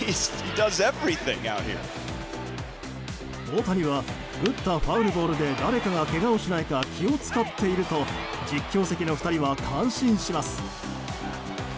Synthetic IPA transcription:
ihidʌzɛvɹiθɪ̰̃ŋa̰ʊt̚hḭɹ | o̞ːt̪aɲ̟iβa | b̥ɯ̟t̪ːaɸaɯ̟ɾɯ̟bo̞ːɾɯ̟d̪e̞d̪aɾe̞kaɡake̞ɡaoɕinaikakʲio̞t͡sɨ̥kat̪ːe̞iɾɯ̟t̪o̞ | d͡ʑikʲːo̞ːse̞kʲino̞fɸɯ̟̥t̪aɾʲiβakʰãɰ̃ɕĩɰ̃ɕimasɨ̥

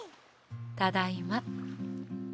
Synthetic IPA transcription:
t̪ad̪aimat̪̚

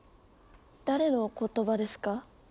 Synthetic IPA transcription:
d̪aɾe̞no̞ko̞t̪o̞bad̪e̞sɨ̥ka

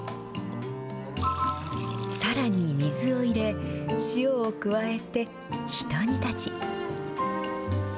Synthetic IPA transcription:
saɾaɲ̟imʲizɨo̞iɾe̞ɕioːkɯ̟βae̞t̪e̞ | çi̥t̪o̞ɲ̟it̪at͡ɕi

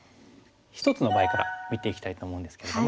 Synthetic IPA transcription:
çi̥t̪o̞t͡sɨno̞baːekaɾa̰mʲit̪e̞ikʲi̥t̪ait̪o̞ːmo̞ɯ̃nd̪e̞sɨ̥ke̞ɾe̞̥om

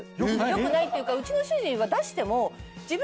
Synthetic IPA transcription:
jojokɯ̟nait̪ːeiɯ̟kaɯ̟t͡ɕino̞ɕɨʑĩɰ̃βad̪aɕi̥t̪e̞mo̞d͡ʑib

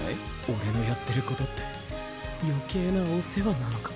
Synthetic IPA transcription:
o̞ɾe̞no̞jat̪ːe̞ɾɯ̟ko̞t̪o̞t̪ːe̞̥ | jo̞ke̞ːnaoːsse̞βananokḁ

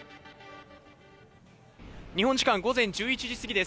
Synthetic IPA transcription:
ɲ̟ihõɲd͡ʑi̥kãŋɡo̞zẽ̞ɲ̟d͡ʑɨːit͡ɕiʑisɨɡʲid̪e̞s

